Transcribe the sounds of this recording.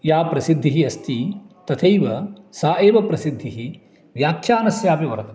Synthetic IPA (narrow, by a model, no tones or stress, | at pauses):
jaːpɾɐsid̪ʱːiɦiɐst̪it̪ɐt̪ʰɐjʋɐsaːʔeːʋɐpɾɐsid̪ʱːiɦi | ʋjaːk̚ʃaːnɐsjaːpiʋɐɾɐt̪ɐ